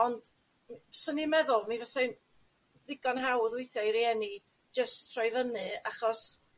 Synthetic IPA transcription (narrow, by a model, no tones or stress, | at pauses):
ɔnd̥ | msənimɛðʊlˠmivasan | ðɪɡanɦawəðwɪjθjaiɾiɛni | d͡ʒəstʰrajvənɨaχɔs